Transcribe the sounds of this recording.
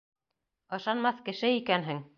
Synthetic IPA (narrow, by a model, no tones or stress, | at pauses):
ɤ̆ʃɑnmɑθkɘ̆ʃɘikænɦɘŋ